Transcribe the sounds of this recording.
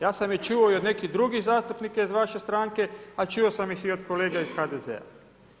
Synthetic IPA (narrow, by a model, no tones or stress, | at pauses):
jaːsamjet͡ʃuoiod̪ne̞kid̪ɾuɡiɣzaːst̪upnikaizʋaʃe̞st̪ɾaːŋke̞at͡ʃuosamjixiod̪koleːɡaiz̥xad̪ezḛa̰